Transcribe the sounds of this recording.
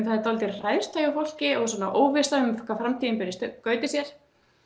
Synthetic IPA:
nθaðɾt̪ɔlt̪ɪrajð̥t̪ʰajawfowl̥cɪɔɣs̬ɔːnaʔoːwvɪslaʏmkʰafɾamt̪ʰiːðɪnpʏɾɪst̪kœːɥt̪ɪsjɛɾ̥

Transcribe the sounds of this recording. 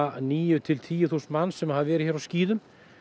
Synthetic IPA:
niːjʏt̪ʰɪlt̪ʰiːjʏθust̪manːsɛmhavvɛːɾɪçɛɾawsciːðʏm

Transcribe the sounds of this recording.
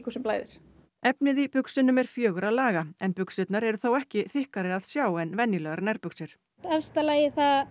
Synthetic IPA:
kʰu̥sʏmplaːjðɪ̰ɾ̥ | ɛpnɪðipʏksʏnʏmɛɾ̥fjœːɣʏɾaðlaːɣaɛnpʏksʏt̪naɾɛɾʏθowɛhcɪθɪhkaɾɪaðsjaːwɛnvɛnjɪlɛɣaɾnɛɾpʏksɪɾ̥ | ɛfst̪alaːjɪθa

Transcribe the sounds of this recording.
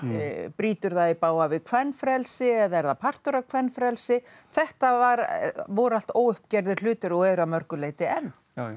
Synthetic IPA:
pɾiːt̪ʏɾðaðipaːwavɪðkʰvɛnːfɾɛlsɪɛðaɛɾðapʰar̥t̪ʏɾakʰvɛnːfɾɛlsɪ | θɛht̪avaɾvɔɾal̥t̪oːwʏhpcɛɾðɪɾ̥lʏːt̪ʏɾɔwɛːɾamœɾkʏleːjt̪ɪɛnː

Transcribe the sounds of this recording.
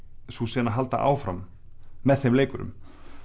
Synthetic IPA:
susɛːnaɦalt̪a̰ʔa̰ːwfɾamː | ɛðθejmleːjkʏɾʏ̰m

